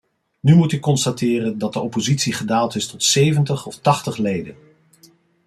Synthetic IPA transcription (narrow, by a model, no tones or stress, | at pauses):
nymutɪkːɔnstatɪːrəndɑt̚dəɔpozitsiχədaːlˠtɪstɔtsejvəntəχɔftɑχtəχlejdən